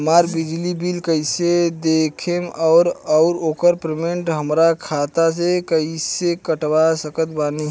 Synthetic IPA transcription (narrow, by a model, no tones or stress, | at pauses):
maɾbid͡ʒlibilkəɪsed̪ekʰemɔʊɾɔʊɾokəɾpɾemeɳʈɦəmɾakʰat̪asekəisekəʈbasəkət̪bani